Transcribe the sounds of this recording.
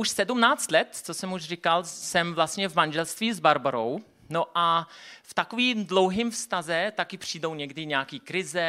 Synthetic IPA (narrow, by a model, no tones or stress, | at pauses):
uʃsɛdumnaːt͡st̪lɛt̪t͡sosɛmuʃrɪkalsɛmvlast̪ɲɛvmand͡ʒɛlst̪viːzbaɾboɾo̰w | noʔaft̪akoviːmdlowɦiːmfst̪azɛt̪akɪpr̝̥iːdowɲɛɡdɪɲɛakiːkɾɪzɛ